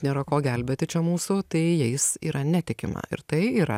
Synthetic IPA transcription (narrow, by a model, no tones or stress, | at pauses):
nʲeːɾɐkoːɡʲɛlʲbʲeːt̪ʲɪt͡ʃʲɛmuːsʊt̪ɐɪjɛɪsiːɾʔɐnʲæt̪ʲɪkʲɪmɐ̰ɪ̰ɾt̪ɐɪiːɾɐ̰